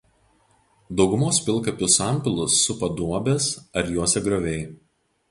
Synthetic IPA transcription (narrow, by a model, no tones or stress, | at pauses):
d̪ɒʊɡʊmoːspʲɪlˠˑkɐpʲʊsɑˑmʲpʲɪlˠʊsːʊpɐd̪uɔbʲesɐɾjuɔsʲɛɡɾoːʋʲɛɪ